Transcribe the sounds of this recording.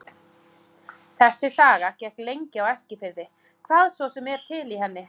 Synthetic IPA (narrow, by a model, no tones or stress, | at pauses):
θɛsːɪsaːɣacɛhklejɲcɪawɛscɪfɪɾðɪ | kʰvaːðsvɔsɛmːɛɾ̥t̪ʰɪliɦɛnːɪ